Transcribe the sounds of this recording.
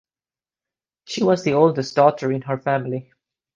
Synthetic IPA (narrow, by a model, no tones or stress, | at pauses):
ʃiwɔzðioʊlˠdəstd̥ɔtə˞ɪ̃nɦə˞fæmɪli